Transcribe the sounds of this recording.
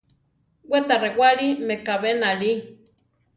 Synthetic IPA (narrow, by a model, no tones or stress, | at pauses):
wʷet̪arewaɺimekaβenaɺi